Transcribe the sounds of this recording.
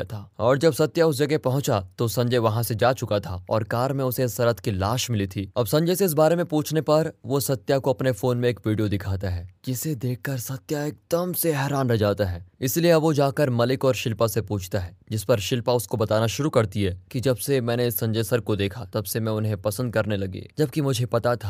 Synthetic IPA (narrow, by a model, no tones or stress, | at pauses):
t̪ʰaːɔːɾd͡ʒɐbsɐt̪ːjaʊs̬d͡ʒɐɡepɐɦʊ̃t͡ʃat̪osɐ̃ɲd͡ʒəjʋɐɦãsed͡ʒaːt͡ʃʊkat̪ʰa̰ɔ̰ːɾkaːɾmẽʊsesɐɾət̪kilaːʃmɪlit̪ʰiɐbsɐ̃ɲd͡ʒejseɪs̬baːɾemẽpũːt͡ʃʰnepɐɾʋosɐt̪ːjakoɐpnefoːnmẽːkʋiːɖijod̪ɪkʰaːt̪aɦɛːd͡ʒɪsed̪eːk̚ʰkɐɾsɐt̪jaeːk̚d̪̥əmseɦɛːɾaːnɾɐɦd͡ʒaːt̪aɦɛːɪslieɐʋod͡ʒaːkəɾmɐlɪkɔːɾʃɪlpasepuːt͡ʃʰt̪aɦɛːd͡ʒɪspɐɾʃɪlpaʊskobɐt̪aːnaʃʊɾukɐɾt̪iɦɛːkid͡ʒɐbsemɛ̃ːneɪsːɐ̃ɲd͡ʒəsɐɾkod̪eːkʰat̪ɐbsemɛ̃ʊnɦẽpɐsə̃nd̪̚kɐɾnelɐɡḛːd͡ʒɐb̚kimʊd͡ʒʱepɐt̪at̪ʰa